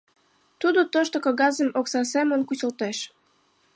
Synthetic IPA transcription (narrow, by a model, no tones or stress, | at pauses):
t̪ud̪ot̪oʃt̪okoɣɑzəmoksɑsemənkusəlt̪eʃ